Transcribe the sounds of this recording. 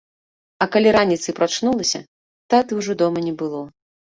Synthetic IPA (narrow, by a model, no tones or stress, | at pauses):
ɐkalʲiɾanʲit̪sɨpɾat͡ʂnulˠɐsʲɐ̰ | t̪at̪ɨwʐɔd̪ɔmɐnʲɛbɨlˠɔ